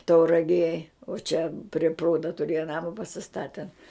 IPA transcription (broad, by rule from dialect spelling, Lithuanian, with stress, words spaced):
tɐʊrɐˈɡʲeːj oː t͡ʃʲɛ pʲrʲɪ ˈpruːdɐ tʊˈrʲeːjɛ ˈnɑːmɐ pɐsʲɪˈstɑːtʲɛn